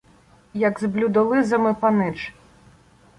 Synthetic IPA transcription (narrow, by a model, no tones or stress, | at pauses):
jɐɡzblʲud̪ɔlˠɪzɐmɪpɐnɪt͡ʃ